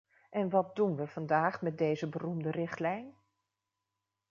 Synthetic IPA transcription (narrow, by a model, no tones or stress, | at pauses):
ʔɛnʋɑt̚dunʋəv̥ɑndaːχmɛt̚dejzəbərumdərɪχtlɛjn